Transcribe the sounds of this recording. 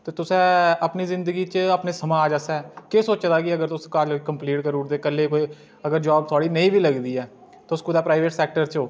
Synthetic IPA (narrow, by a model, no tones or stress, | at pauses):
t̪eːt̪ʊsɛ̃ːəpniːzɪnd̪əɡiːt͡ʃəpneːsəmãːaːd͡ʒaːsɛːkesoːt͡ʃd̪aːɡiəɡəɾt̪ʊskakəmpliːʈkəɾuːɾd̪eːkəleːkoːi | əɡəɾd͡ʒaːb̚t̪ʰaːɽiːnəĩːbiːləɡd̪iːɛː | t̪ʊskʊd̪aːpɾaːɪʋeːʈsɛːk̚ʈəɾt͡ʃoː